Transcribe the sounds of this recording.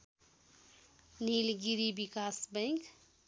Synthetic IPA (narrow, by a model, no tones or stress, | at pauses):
nilɡiɾibikaːsbɛ̃ŋk